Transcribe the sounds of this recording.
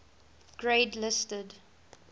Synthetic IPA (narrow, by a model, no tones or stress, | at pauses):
ɡ̥ɹeɪdlɪstəd